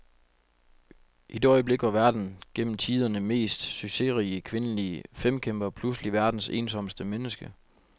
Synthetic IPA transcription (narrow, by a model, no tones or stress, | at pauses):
ʔid̥eɒ̽ɪəble̝ɡ̥ʋɑ̈ʋæɐd̥n̩ɡ̥en̰m̩t͡sʰiːð̞ˠɐnəme̝̰ːsd̥syɡ̥se̝ʁiːəkʰʋe̝nəliəfem̰kʰemb̥ɐpʰlusliʋæɐd̥n̩se̝̰ːnsɒ̽m̰sd̥əmenəsɡ̥ə